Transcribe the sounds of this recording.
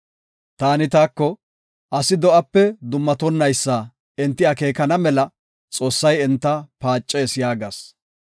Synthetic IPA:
t̪aːnɪt̪aːkːɔ | ʔɐsɪd̪ɔʔɐpːɛd̪ʊmːɐt̪ɔnːɐjsːaː | ɛnt̪ːɪɐke̞ːkɐnɐmɛlɐ | t͡sʼo̞ːsːɐjɛnt̪ːɐpaːt͡ʃʼːɛsɪjaːɡɐs

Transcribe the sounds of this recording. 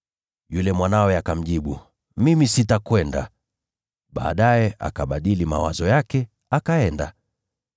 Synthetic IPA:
julɛmwanawɛakam̩ʄiɓu | mimisitakwɛnda̰ | ɓa̰ːɗajɛʔa̰kaɓaɗilima̰wazɔjakɛ | akaɛnda̰

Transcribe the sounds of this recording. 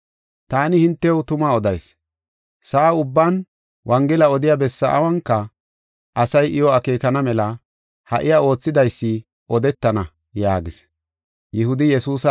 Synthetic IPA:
t̪aːnɪhɪnt̪ːɛwt̪ʊmaɔd̪ɐjs | sɐːʊbːan | wʔɐŋɡɪlɐɔd̪ɪjaːbɛsːɐ̰ʔɐ̰wɐŋkːɐ | ʔɐsɐjʔɪjɔɐkeːkɐnɐmɛlɐ | hɐ̰ʔɪjao̞ːt͡sːɪd̪ɐjsːɪ | ʔɔd̪ɛt̪ːɐnɐ | jaːɡɪs | jɪhʊd̪ɪjɛsuːsɐ

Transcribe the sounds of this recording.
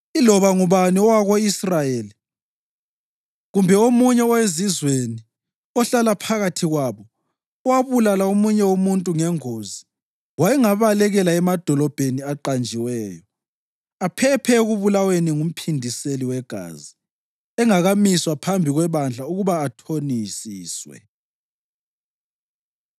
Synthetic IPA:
ilɔβaŋuβaniɔwaɣoisrajeːli | ɣumbʱɛomuɲɛɔwezizweni | ɔɬalapʰaɣatʰiɣwaːβɔ | waβulalaomuɲɛwomuntʼuŋɛŋoːzi | wajɛŋaβalɛɣɛlaɛmad̥ʱɔlɔb̥ʱeniaǃand͡ʒʱiwɛːjɔ | apʰɛpʰɛɣuβulaweniŋum̩pʰindʱiseliwɛɡ̥ʱa̰zi | ɛŋaɣamiswapʰambʱiɣwɛβand͡ɮʱauɣuβaːtʰonisiːswɛ̰

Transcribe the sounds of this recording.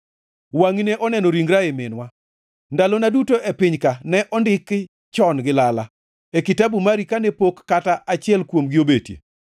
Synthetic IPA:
waŋineʔɔnɛnoɾiŋɡɾaemɪnwa | ndalonadutoʔepɪɲkanɛʔɔndɪk | t͡ʃɔnɡɪlala | ekitabumaɾikanepokːataʔat͡ʃɪɛlkwomɡɪobetjḛ

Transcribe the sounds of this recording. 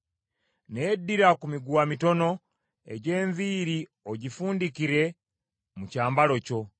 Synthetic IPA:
neːdːiɾakumiɡwamito̞no̞ | ḛɟe̞ːɱviːɾi | oɟifuːndikiɾe̞ | mucaːmbalo̞co̞

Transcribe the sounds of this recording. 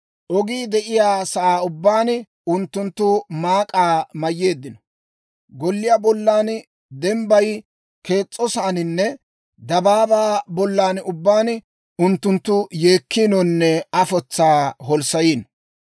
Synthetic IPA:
ʔɔɡiːd̪ɛʔɪjaːsɐʔaːʊbːaːn | ʊnt̪ːʊnt̪ːʊmaːkʼaːmɐjːe̞ːd̪ːɪnɔ̥ | ɡɔlːɪjaːbɔlːaːn | d̪ɛmbɐj | ke̞ːt͡sʼːɔsaːnɪnːɛ | d̪ɐbaːbaːbɔlːaːnʊbːaːn | ʊnt̪ːʊnt̪ːʊje̞ːkːinɔnːɛɐfɔt͡sːaːɦɔlsɐjiːn

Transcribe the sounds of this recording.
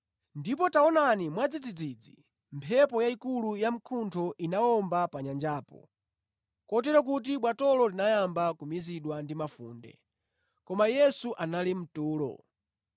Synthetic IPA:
ndip̬ɔtaɔnanimwad͡zid͡zid͡zid͡zḭ | mpʰɛpɔjaikulujam̩kʰuntʰɔʔinaɔmbapaɲand͡ʒaːpɔ̰ | kɔt̬ɛɾɔk̬ut̬iɓwatɔlɔlinajambakumiziɗwandimafṵːndɛ̰ | kɔmajɛsuʔanalim̩tuːlɔ̰

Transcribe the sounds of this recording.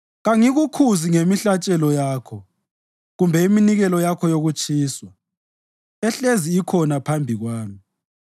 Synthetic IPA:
ɣaŋiɣukʰuziŋemiɬat͡ʃʼɛlɔjaːkʰɔ | ɣumbʱɛiminiɣɛlɔjakʰɔjoɣut͡ʃʼʰiːswa | ɛɬeziːkʰɔnapʰambʱiɣwaːmi

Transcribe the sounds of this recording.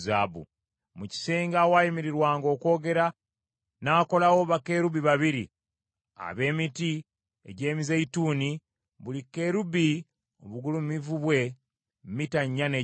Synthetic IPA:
zaːbṵ | muci̥seːŋɡawajimiɾiɾwaːŋɡo̞ːko̞ːɡe̞ɾa | naːko̞lawoβake̞ːɾuβiβaβiɾḭ | a̰βe̞ːmiti | ḛɟe̞ːmizeituːni | βulike̞ɾubi | o̰βuɡulumumivuβwe̞ | mmitaɲːane

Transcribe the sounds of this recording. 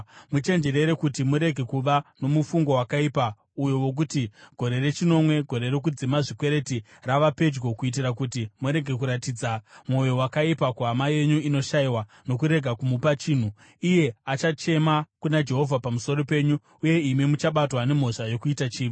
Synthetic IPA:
mut͡ʃe̞nd͡ʒe̞re̞ɾe̞kutimuɾe̞ɡʱe̞kuʋano̞mufuŋɡo̞wakaipa | ujo̞wo̞k̬utiɡ̥ʱo̞ɾe̞re̞t͡ʃino̞mwe̞ɡʱo̞ɾe̞rek̬ud͡zimaʐikwe̞ɾe̞ti | raʋape̞d͡ʒɡo̞kuit̬irakutimuɾe̞ɡʱe̞k̬uɾatid͡zamo̞jo̞wakaipakuɦamaje̞ɲuino̞ʃajiwa | no̞kuɾe̞ɡʱakumupat͡ʃiːn̤u | ije̞at͡ʃat͡ʃe̞makunad͡ʒe̞ɦo̞vʱapamuso̞ɾo̞pe̞ɲu | uje̞imimut͡ʃaɓatwane̞m̤o̞ʂajo̞kuitat͡ʃiːʋi

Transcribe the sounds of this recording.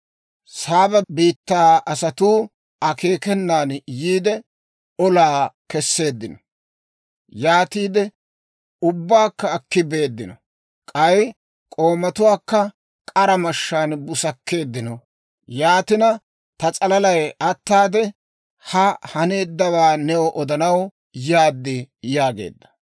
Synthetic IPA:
saːbɐbiːt̪ːaːɐsɐt̪uː | ɐke̞ːkɛnːaːnjiːd̪ɛ | ɔlaːkɛsːe̞ːd̪ːɪnɔ | jaːt̪iːd̪ɛ | ʊbːaːkːɐːkːɪbe̞ːd̪ːɪnɔ | kʼɐj | kʼo̞ːmɐt̪ʊwaːkːɐ | kʼɐɾɐmɐʃːaːnbʊsɐkːe̞ːd̪ːɪnɔ | jaːt̪ɪnɐ | t̪ɐt͡sʼɐlɐlɐjɐt̪ːaːd̪ɛ | hɐhɐne̞ːd̪ːɐwaːnɛwɔʔɔd̪ɐnɐw | jaːd̪ːɪjaːɡe̞̰ːd̪ːɐ̥

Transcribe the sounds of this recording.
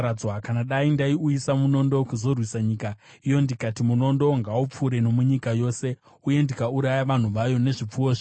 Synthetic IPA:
awakanaɗaindaiujisamuno̞ndo̞kuzo̞rwisaɲiːka | ijo̞ndikatimuno̞ndo̞ŋɡaup͡fuɾe̞no̞muɲikajo̞ːse̞ | uje̞ndikauɾajaʋan̤uʋajo̞ne̞ʐip͡fuoːʐ

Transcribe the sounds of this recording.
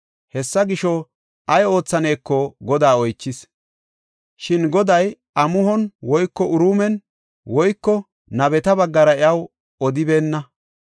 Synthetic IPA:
hɛsːɐɡɪʃɔ | ʔɐjo̞ːt͡sːɐne̞ːkːɔɡɔd̪aːɔjt͡ʃːɪs | ʃɪnɡɔd̪ɐj | ʔɐmʊɦɔnwɔjkːɔʔʊɾuːmɛn | wɔjkːɔ | nɐbɛt̪ɐbɐɡːɐɾɐɪɐw | ɔd̪ɪbe̞ːnːɐ

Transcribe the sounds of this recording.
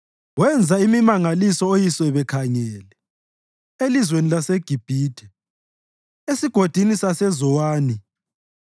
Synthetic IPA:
wɛnd͡zʱaimimaŋalisɔojisɛβɛkʰaɲɛːlɛ | elizwenilaseɡ̥ʱib̥ʱiːd̥ʰʱɛ | esiɡ̥ʱod̥ʱinisasɛzɔwaːni

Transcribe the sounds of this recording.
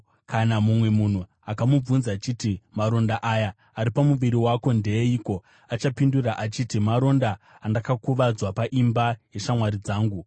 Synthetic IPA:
kanamumwe̞mun̤u | akamub͡vunzaːt͡ʃitimaɾo̞ndaʔajaː | ɾipamuʋiɾiwako̞ndeeiko̞ | at͡ʃapinduraʔat͡ʃitimaɾo̞ndaː | ndakakuʋad͡zwapaʔimbaje̞ʃamwaɾid͡zaːŋɡu

